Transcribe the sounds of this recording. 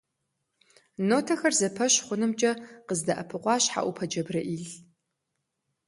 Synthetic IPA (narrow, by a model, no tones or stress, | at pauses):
noːtʰɐxɐrzɐpʰɐɕχʷʊnɨmt͡ʃʼɐqəzdɐʔɐpʰɨqʷɑːɕħa̰ʔʷʊpʰɐd͡ʒɐbrɐʔiːɮ